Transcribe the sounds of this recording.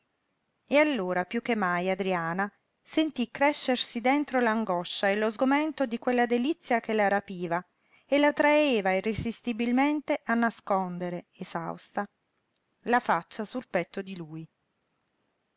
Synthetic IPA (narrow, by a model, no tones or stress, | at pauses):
ealːoːɾapjukːemːajad̪ɾiaːna | sent̪ikːɾɛʃːersid̪ent̪ɾolaŋɡɔʃːaelozɡoment̪od̪ikwelːad̪elit̪sːjak̟elaɾapiːva | elat̪ɾaeːvairezist̪ibilment̪eʔanːaskond̪eɾeeza̰wst̪a | lafat͡ʃːasulpɛt̪ːod̪iluːj